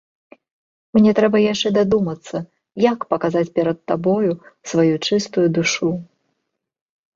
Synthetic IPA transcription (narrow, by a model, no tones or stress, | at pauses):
mnʲɛt̪ɾɛbɐjaʂt͡ʂɛd̪ad̪umɐt̪sːɐ | jakpɐkazat͡sʲpʲɛɾɐt̪ːabɔjusvajut͡ʂɨst̪ujud̪uʂu